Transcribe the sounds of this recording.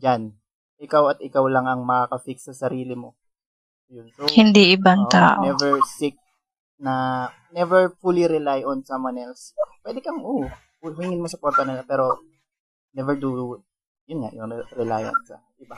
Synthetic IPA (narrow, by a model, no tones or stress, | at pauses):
d͡ʒan | ʔɪkawɐt̪ɪkawlɐŋɐŋmɐkakɐfiksɐsɐɾiːlɪmo̞ | jʊnsohɪnd̪iʔɪbaŋt̪aːʔonɛvɛɹsik̚ | nɐ | nɛvɛɹfuliɾɛlajʔonsamwɐnɛlspwɛd̪ɛkɐŋʔo | hʊhiŋɪnmosɐpwɛɾt̪ɐnɪlapɛːɾo̞ | nɛvɛɹd̪u | jʊnŋa̰ʔjʊŋɾɛlajɐ̰nsɐ̰ʔɪba